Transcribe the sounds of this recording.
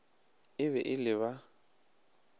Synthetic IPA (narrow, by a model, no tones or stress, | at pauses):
ɪβɛʔɪlɪβa